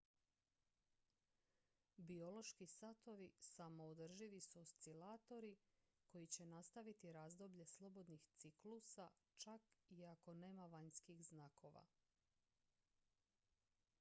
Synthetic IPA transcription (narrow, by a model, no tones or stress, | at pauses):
bio̞lo̞ʃkisat̪o̞ʋisamo̞od̪r̩ʒiʋisust̪silaːt̪o̞ɾi | ko̞jit͡ɕe̞nast̪aʋit̪iɾaːzd̪o̞bʎe̞slˠo̞bo̞d̪nixt̪siklusat͡ʃakiako̞ne̞ːmaʋaɲskixznakʰo̞ʋa̰